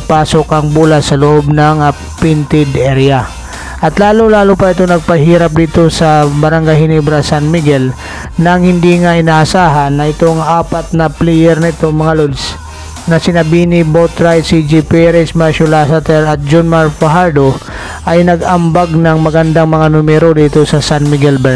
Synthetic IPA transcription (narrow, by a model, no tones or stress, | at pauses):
paːsokɐŋbuːlɐsɐloʔobnɐŋ | pɪnt̪ɪd̪ʔɛɾja | ʔɐt̪laːlʊlaːlupɐʔɪt̪onɐɡ̚pɐɦiːɾɐp̬̚d̪iːt̪o̞sɐbɐɾɐŋɡajhɪnibɾɐsanmiɡɛl | nɐŋhɪnd̪iŋaʔɪnaːʔɐsaːɦɐnːɐʔɪt̪o̞ŋʔaːpɐt̪nɐplɛjɛɾnɪt̪o̞ŋmɐŋalod̪s | nɐsɪnɐbinibowt̪ɾajd̪sid͡ʒipɛɾɛsmaʃʊlasɐt̪ɛɾɐt̪̚d͡ʒonmaɹpɐɦaɹd̪o | ʔɐjnɐɡɐmbaɡnɐŋmɐɡɐnd̪aŋmɐŋanʊmɛɾod̪iːt̪o̞sɐsanmɪɡɛlbɛ